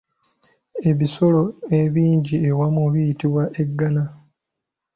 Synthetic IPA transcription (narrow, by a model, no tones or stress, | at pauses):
e̞βiso̞lo̞e̞βiːɲɟiewamuβijitiβwaʔe̞ɡːana